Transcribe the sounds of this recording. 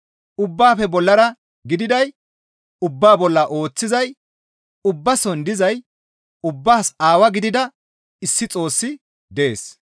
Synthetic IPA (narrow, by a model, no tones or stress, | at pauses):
ʔʊbːaːfɛbɔlːɐɾɐ | ɡɪd̪ɪd̪ɐj | ʊbːaːbɔlːɐʔo̞ːt͡sːɪzɐj | ʊbːɐsɔnd̪ɪzɐj | ʊbːaːsaːwɐɡɪd̪ɪd̪ɐ | ɪsːɪt͡sʼo̞ːsːɪ | d̪ɛḛːs